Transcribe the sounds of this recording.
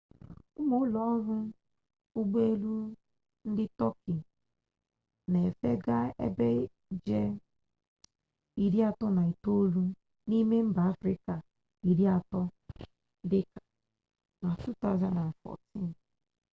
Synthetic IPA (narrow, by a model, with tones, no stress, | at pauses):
ʊ˦mo˦lɔ˦ɾʊ˦ | ʊ˦ɡ͡be˦e˦lu˦ | n̩˦dɪ˦tɔ˦ki˨ | ne˨e˨fe˦ɡa˦ḛ˦be˦ | d͡ʒe˦ | i˦ɾi˦a˨tɔ˦na˨i˨to˦lu˦ | ni˦me˦m̩˦ba˨a˦fɾɪ˦ka˨ | i˨ɾi˦a˨tɔ˦ | dɪ˦kḁ˨ | na˨tu˦t̪a˦˨za˦na˨n˨fɔ̰˨ti˦n